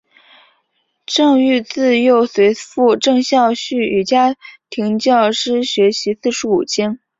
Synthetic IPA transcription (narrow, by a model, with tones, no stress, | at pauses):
ʈ͡ʂɤ˥˧ŋy˥˧t͡sɹ̩˥˧jo˥˩ʊswe˧˥ɪfu˥˧ʈ͡ʂɤ˥˧ŋɕjɑ˥˧ʊɕy˥˩y˨˩t͡ɕja˥t̪ʰi˧˥ŋt͡ɕjɑ˥˩ʊʂɻ̩˥ɕɥɛ˧˥ɕi˧˥sɹ̩˥˧ʂɻ̩u˧˥u˨˩t͡ɕʰjɛ˥n